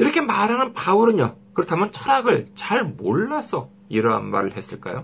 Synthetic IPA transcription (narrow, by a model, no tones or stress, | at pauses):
iɾʌkʰe̞maɾɦanɯnpauɾɯɲokɯɾʌtʰamjʌnt͡ɕʰʌɾaɡɯɭt͡ɕaɭmoɭːasʰʌ | iɾʌɦa̰nma̰ɾɯɭɦe̞s͈ɯɭk͈a̰jo̰